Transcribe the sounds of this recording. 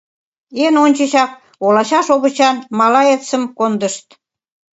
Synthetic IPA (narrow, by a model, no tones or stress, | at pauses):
enonʲt͡ɕə̆ɕɑk̚ | olɑɕɑʃoβə̆t͡ɕɑnmɑlɑet͡səmkond̪əʃt̪̚